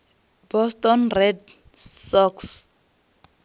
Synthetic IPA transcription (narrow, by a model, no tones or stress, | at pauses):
bɔstʼɔnrɛd | sɔks